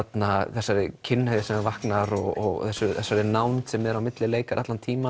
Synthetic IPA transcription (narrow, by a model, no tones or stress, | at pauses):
at̪naθɛsːaɾɪcʰɪnːhɛɪsɛmɛɾvahknaɾɔɣɔɣθɛsːʏθɛsːaɾɪnaːwnsɛmɛðɾawmɪt̪lɪleːjkaɾʔa̰t̪lant̪ʰiːma